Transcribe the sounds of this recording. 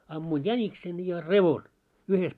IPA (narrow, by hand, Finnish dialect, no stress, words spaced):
ɑmːuin jæniksen jɑ reʋon uhes